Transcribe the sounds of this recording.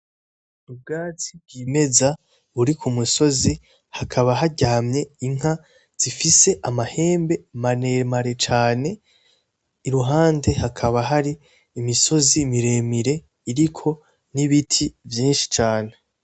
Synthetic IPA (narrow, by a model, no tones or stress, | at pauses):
ub̚ɡaːt͡sib̚ɡiːme̞za | uɾikumuso̞zi | hakʰaβaɦaɟaːmɲe̞iŋ̥a | z̥ifise̞ʔamahe̞ːmbe̞mane̞maɾe̞t͡ʃaːne̞ | iɾuɦaːnde̞hakʰaβaɦaɾiː | miso̞zimiɾe̞miɾe̞ | iɾikʰo̞ | niβitʰivjiːnʃi̥t͡ʃaːne̞